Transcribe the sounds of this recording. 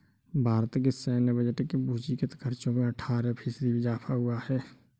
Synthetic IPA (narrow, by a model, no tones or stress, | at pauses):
bʱaːɾət̪kesɛːnbəd͡ʒəʈkebuːt͡ʃikət̪kʰəɾt͡ʃõmẽəʈʰaːɾepʰɪsd̪ibɪd͡ʒaːpʰaɦʊahɛː